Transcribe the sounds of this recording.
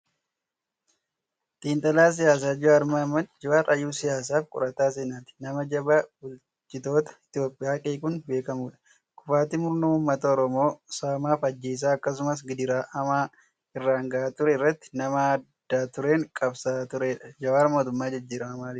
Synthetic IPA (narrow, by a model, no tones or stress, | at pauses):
t̪ʼiːnt̪ʼɐlaːs̬ɪjaːs̬aːd͡ʒɪwaːɾmamɐd͡ʒɪwaːɾɐjuːsɪjaːs̬aːfkʼʊ̰ɾɐt̪aːs̬eːnaːt̪ɪ̥nɐmɐd͡ʒɐbabʊl | t͡ʃʼɪt̪o̞ːt̪ɐ̥ɪt̪joːpʼːɪjaːkʼeːkʊnbeːkɐmuːᶑɐ̥ | kʊfaːt̪imʊɾnoːʊmːɐt̪ɐɔɾɔmo̞ːsaːmaːfɐd͡ʒːe̞ːs̬aːɐkːɐs̬ʊmɐs̬ɡɪd̪ɪɾaːʔɐmaː | ɪrːaːŋɡɐʔaːt̪ʊɾɛɪrːɐt̪ːɪ̥nɐmɐd̪̥ːaːt̪ʊɾeːŋkʼɐbsaːt̪ʊɾeːᶑɐd͡ʒɐwaːɾmoːt̪ʊmːaːd͡ʒɪd͡ʒːiːɾɐmɐmaːlɪ